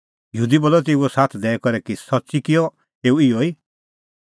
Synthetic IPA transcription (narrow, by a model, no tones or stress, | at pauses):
jɦuːd̪iboːlɔt̪̬euɔsaːt̪ʰd̪ɛɛkɔɾɛkisɔtːsikɪjɔ | eːuɪjɔiː